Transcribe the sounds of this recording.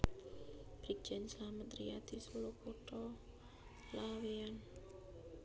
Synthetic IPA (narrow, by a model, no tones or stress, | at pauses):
b̥ɾik̚d͡ʒɛnslamət̪ɾḭad̪isolopoʈɔ | lawean